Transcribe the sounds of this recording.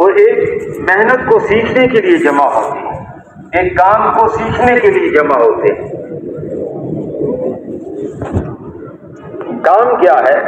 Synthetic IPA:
ʋoeːkmɛɦnət̪kosiːkʰnekelied͡ʒɐmaɦoːt̪eɦɛ̃ | eːkːaːmkosiːkʰnekelied͡ʒɐmaɦoːt̪eɦɛ̃ | kaːmkjaːɦɛː

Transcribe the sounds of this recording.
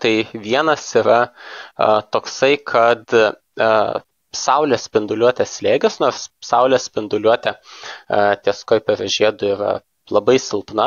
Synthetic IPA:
t̪ɐɪʋʲiɛnɐsiɾɐ | t̪oːksɐɪkʰɐt̪ | sɐʊlʲɛːsʲpʲɪnd̪ʊlʲuɔt̪ʲɛslʲeːɡʲɪsnoːɾssɐʊlʲɛːsʲpʲɪnd̪ʊlʲuɔt̪ʲɛ | t̪ʲiɛskoːɪpɐʋʲɛʒʲeːd̪ʊiːɾɐ̰ | lˠɐbɐɪsʲɪlˠpnɐ

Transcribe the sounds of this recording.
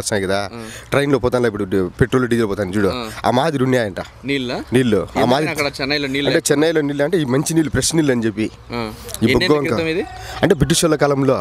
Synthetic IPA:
ɐsnaːjikɐd̪aːʈɾɐjnlopɔːt̪anlaːip̬ːuɽupeʈɾoːluɖid͡ʒelpɔːt̪aːnid͡ʒuːɽoa̰ːmaːd̪iɾunjaːjɐɳʈa | niːlniːlːua̰ːmaːd̪iɐɛnːɐjloiɐɳʈeːt͡ʃɛnːɐjɐloniːlːɐɳʈeiːmɐɲt͡ʃiniːlːupɾesniːlːɐnid͡ʒepːi | ibuɡɐŋkɐɐmid̪iɐɳʈeːbiʈ̬ːiʃolːɐkaːlɐmlo̞ː

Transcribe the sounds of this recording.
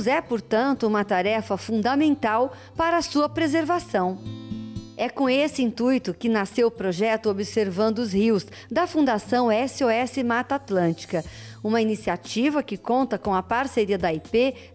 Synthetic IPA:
zɛpoɾt̪ɐ̃nt̪ʊũmɐt̪aɾɛfɐfũnd̪ɐmẽnt̪aw | paɾɐːsuɐpɾezeɾvasɐ̃w̃ | ɛkõesɪĩnt̪ujt̪ʊkɪnasewpɾoʒɛt̪ʊobɪseɾvɐ̃nd̪ʊʊzhiws | d̪ɐfũnd̪asɐ̃w̃ɛsɪɔɛsɪmat̪at̪lɐ̃nt͡ʃi̥kɐ | ũmɐinisiat͡ʃivɐkɪkõnt̪ɐkõɐpaɾseɾiɐd̪ɐipe

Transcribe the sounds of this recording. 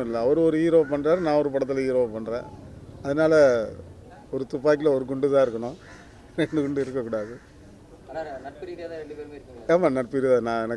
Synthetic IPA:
ɪlːɐːʋɐɾɯɔɾɯiːɾoːpɐɳːɾaːɾnãːɔɾɯpɐɽɐt̪ːɪliːɾoːʋpɐɳːɾḛ̃ːɐðɐnaːlɐ | ɔɾɯt̪ʊpːaːk̬ːɪlɐɔɾɯkʊɳɖɯt̪ãːɪɾɯkːɐɳʊ̃ | ɾɛɳɖɯkʊɳɖɯɪɾɯkːɐkːuːɽaːðɯ | ɳɖɯpːaːmaːnɐʈpɪɾɪanãːɛnɐkː

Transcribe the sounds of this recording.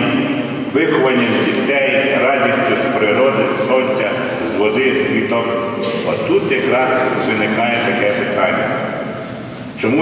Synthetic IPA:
ʋɪxɔʋɐnʲːidʲit̪ɛjɾɑdʲisʲt̪ɔspɾɪɾɔd̪ɪsnɔtʲːɐ | zʋɔd̪ɪst̪lʲit̪ɔkɔt̪ut̪jɐkɾɑzʋɪnɪkɑjɛt̪ɐkɛpɪt̪ɑnʲːɐ̰ | t͡ʃɔmu

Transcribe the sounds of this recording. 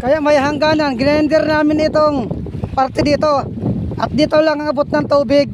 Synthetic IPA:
kɐjaʔmajɦaŋɡaːnanɡɪnɛnd̪ɛɾnaːmɪnɪt̪oŋ | paɾt̪ɛd̪iːt̪o | ʔat̪̚d̪iːt̪olaŋaŋabʊt̪̚naŋt̪uːbɪɡ̚

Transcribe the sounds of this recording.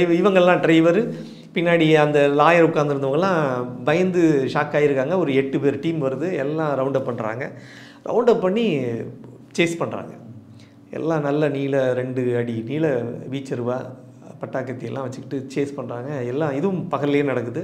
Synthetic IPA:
ɐɪʋɐŋɡɐɭɛlːãːɖɾɐɪʋɐɾɯ | pɪnːaːɽiɐnd̪ɐlaːjɐɾʊkːaːnd̪ɪɾɯnd̪ɐʋɐŋɡɐɭlːãːbɐjɐnd̪ɯʂaːkːaːjɪɾɯkːaːŋɡɐɔɾɯɛʈːɯpeːɾʈiːmʋɐɾɯðɯɛlːãːɾɐʊɳɖɐpɐɳːɾa̰ːŋɡɐ | ɾʔɐ̰ʊɳɖɐpɐɳːi | t͡ʃeːspɐɳra̰ːŋɡɐ̰ | ɛ̰lːãːnɐlːɐniːlɐɾɛɳɖɯɐɽiniːlɐʋiːt͡ʃːɐɾɯʋaː | pɐʈːaːkːɐt̪ːɪjɐlːʔãːʋɐt͡ʃːɯkːɪʈːɯt͡ʃeːspɐɳːɾaːŋɡɐɛlːãːɪðɯʋʊmpɐɣɐleːnɐɽɐkːɯðɯ

